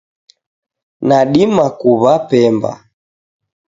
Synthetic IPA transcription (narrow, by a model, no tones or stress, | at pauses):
naɗimakuβapɛmba̰